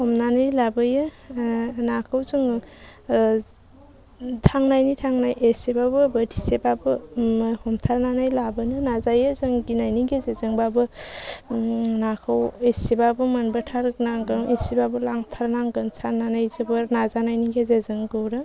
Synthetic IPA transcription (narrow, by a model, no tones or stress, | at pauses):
hɔmnanajlabɯjɯ | nakʰawzɯŋ | tʰaŋnajnitʰaŋnajʔesebabɯbədʰisebabɯhɔmtʰaɾnanajlabɯnɯnazajɯzɯŋɡinajniɡezezɯŋbabɯ | nakʰɯwesebabɯmanbɯtʰaɾnaŋɡɯŋesibabɯlaŋtʰaɾnaŋɡɯŋsʰaɾnanajzɯbɯɾnazanajniɡezezɯŋɡɯwɾɯ